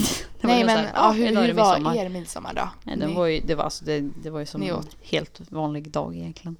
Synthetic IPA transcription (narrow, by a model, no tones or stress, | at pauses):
d̪ɛvajmɛɦhasɔmːaeːɾmɪd̪sɔ̰mːa̰ɖɔ̰ɛ̰d̪ɛvaɾjəd̪ɛvaa̰lsɔd̪ɛd̪ɛvaɾjəsɔnoheːlt̪vɑːnlɪɡd̪ɑ̰ːɡɪjɛnkʰlɪɡən